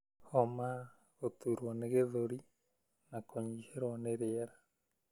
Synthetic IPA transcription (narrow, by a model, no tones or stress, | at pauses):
hɔma | ɣot̪uɾwɔneɣeðoɾi | nakʰoɲiheɾwɔneɾeɛɾa